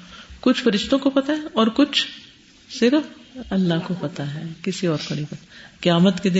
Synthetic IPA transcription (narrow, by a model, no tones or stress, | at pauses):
kʊt͡ʃʰfɐɾɪʃt̪õkopɐt̪aɦɛɔːɾkʊt͡ʃʰ | sɪɾfɐlːaɦkopɐt̪aɦɛːkɪsiɔːɾkonɐ̃ɦĩpɐt̪akjaːmət̪ked̪ɪ